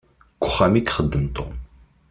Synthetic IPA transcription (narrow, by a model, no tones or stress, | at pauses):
kʷːʊχːæmikχəd̪ːəmt̪ˤom